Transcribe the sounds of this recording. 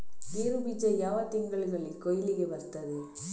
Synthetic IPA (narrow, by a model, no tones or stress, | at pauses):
niːɾɯbit͡ʃːɐjaːʋat̪ːɪŋɡɐɭɡɐɭɪlkɔjɪlɪɣeʋɐɾt̪ːɐðɯ